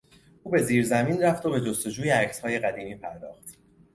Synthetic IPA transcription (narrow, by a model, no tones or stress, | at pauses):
ʔuːbe̞ziːɾzæmiːnræft̪o̞be̞d͡ʒo̞st̪o̞d͡ʒuːjeæcshɒːje̞ɣæd̪iːmiːpʰæɾd̪ɒ̰ːxt̪